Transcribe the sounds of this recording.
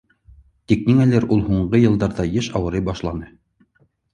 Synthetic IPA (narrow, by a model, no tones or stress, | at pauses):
t̪ikniŋælæɾulˠhuɴɢɤjɤ̆lˠd̪ɑɾðɑjɘʃɑwɤ̆ɾɤjbɑʃlˠɑnɤ